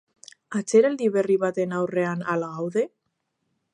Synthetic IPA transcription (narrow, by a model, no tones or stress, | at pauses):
at͡seɾald̪iβe̞riβat̪e̞nawre̞analaɣawðe̞